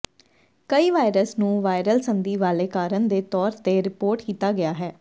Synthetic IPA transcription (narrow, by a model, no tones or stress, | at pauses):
kəiːʋaːɪɾəsnũːʋaːɪɾəlsənd̪iːʋaːleːkaːɾənd̪eːt̪ɔːɾt̪eːɾɪpoːɾʈkiːt̪aːɡɪaːɦɛː